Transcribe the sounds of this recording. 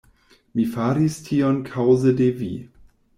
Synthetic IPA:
mifaɾistʰiɔnkʰawzədevḭ

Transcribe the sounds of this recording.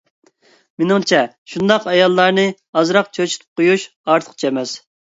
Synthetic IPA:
menɪŋt͡ʃʰɛ | ʃund̪ɑqɑjɑlˠːɑɾnɨ | ɑzɾɑqt͡ʃʰøt͡ʃʰy̥t̪ʰp̚qʰojuʃ | ɑɾt̪ʰə̥qt͡ʃʰɛmɛs

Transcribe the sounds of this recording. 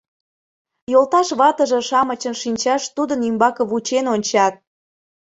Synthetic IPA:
jolˠt̪ɑʃβɑt̪əʒə̆ʃɑmət͡ɕənʃinʲt͡ɕɑʃt̪ud̪ənymbɑkəβut͡ɕenonʲt͡ɕɑt̪̚

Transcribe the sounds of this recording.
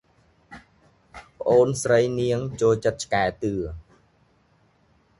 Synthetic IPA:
pə̆ʔoːnsrəjniəŋt͡ɕoːlt͡ɕət̪̚t͡ɕkaɛt̪ɨə

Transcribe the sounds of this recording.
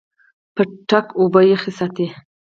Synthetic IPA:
pəʈakobəjexisat̪i

